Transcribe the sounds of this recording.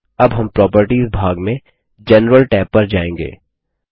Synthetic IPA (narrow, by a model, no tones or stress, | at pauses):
ɐbɦɐ̃mpɾɔːpəɾʈiːzbʱaːɡmẽ | d͡ʒɛnɾəlʈɛːpːɐɾd͡ʒaːẽːŋɡḛː